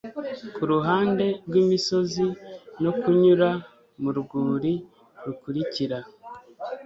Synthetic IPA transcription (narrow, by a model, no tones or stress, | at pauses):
kuɾuɦaːnde̞ɾɡwimiso̞zino̞kuɲuɾa | muɾuɡuːɾi | ɾukuɾiciɾa